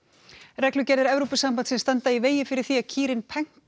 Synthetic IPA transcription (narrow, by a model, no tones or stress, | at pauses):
rɛklʏcɛɾðɪɾɛvɾopʏsampant̪sɛnst̪ant̪aiveːjɪfɪɾɪɾ̥θiacʰiːɾɪnpʰɛŋ̥k